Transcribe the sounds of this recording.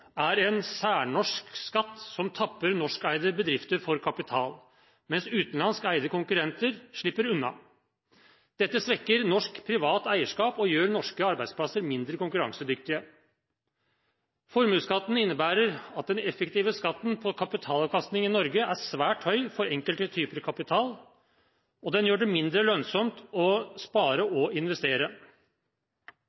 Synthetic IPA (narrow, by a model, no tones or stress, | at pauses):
æɾɛnsæːɳɔʂkskɑt̪ːsɔmt̪ʰɑpːəɾnɔʂkæɪd̪əbəd̪ɾɪft̪əɾfɔɾkʰɑpɪt̪ʰɑːl | mɛnsʉːt̪n̩lɑnskæɪd̪əkʊŋkʉɾɛnt̪əɾʂɭɪpːəɾʉnːɑ̰ | d̪̥ɛt̪ːəsʋɛkːəɾnɔʂkpʰɾɪʋɑːt̪æɪəʂkɑːpɔjøːɾnɔʂkəɑɾbæɪd̪spʰlɑsəɾmɪnd̪ɾəkʊŋkʉɾɑ̰ŋsəd̪ʏkt̪ɪə | fɔɾmʉːskɑt̪ːn̩ɪnːəbæːɾəɾɑt̪̚d̪ɛnɛfːəkt̪iːʋəskɑt̪ːnpʰɔkʰɑpɪt̪ʰɑːlɑʋkʰɑst̪nɪŋɪnɔɾɡəæsʋæːʈhœʏfɔɾɛŋkəlt̪ət̪ʰyːpəɾkʰɑpɪt̪ʰɑːl | ɔd̪ɛnjøːɖɛmɪnd̪ɾəlœnsɔmt̪ɔspɑːɾəɔɪnʋɛst̪eːɾə